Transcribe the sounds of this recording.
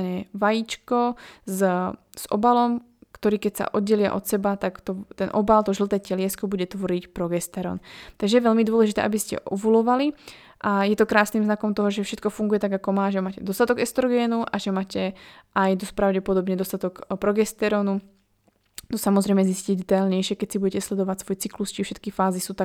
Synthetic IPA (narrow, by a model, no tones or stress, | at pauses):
ɲɛʋajit͡ʃkɔz | z̥ɔ̰balɔm | kt̪ɔɾiːkɛcsa̰ʔɔd̪ɟɛlɪa̰ʔɔt̪sɛbat̪akt̪ɔt̪ɛnʔɔbalt̪ɔʒl̩t̪ɛːcɛlɪɛskɔbuɟɛt̪ʋɔɾicpɾɔɡɛst̪ɛɾɔ̰ːnt̪aɡʒɛjɛʋɛlmid̪ʊɔlɛʒit̪ɛ̰ːʔabiscɛ̰ʔɔʋulɔʋali | ʔajɛt̪ɔkɾaːsnimznakɔmt̪ɔɦɔʒɛfʃɛt̪kɔfuŋɡujɛt̪aɡakɔmaːʒɛmaːcɛd̪ɔst̪at̪ɔɡɛst̪ɾɔɡɛːnuʔaʒɛmaːcɛʔajd̪ɔscpɾaʊɟɛpɔd̪ɔbɲɛd̪ɔst̪at̪ɔkpɾɔɡɛst̪ɛɾɔːnu | t̪ɔsamɔzɾɛjmɛzisciɟd̪ɛt̪alɲɛjʃɪɛkɛcsibuɟɛcɛslɛd̪ɔʋatsʋɔjt͡siklust͡ʃifʃɛt̪kifaːzisuːt̪a